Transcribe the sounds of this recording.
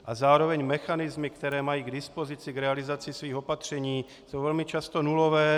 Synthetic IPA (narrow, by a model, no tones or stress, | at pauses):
ʔazaːɾo̞vɛɲmɛxanɪzmɪkt̪ɛɾɛːmajiːɡdɪspo̞zɪt͡sɪɡɾɛalɪzat͡sɪsviːxo̞pat̪r̝̥ɛɲiː | sowvɛlmɪt͡ʃast̪onulovɛː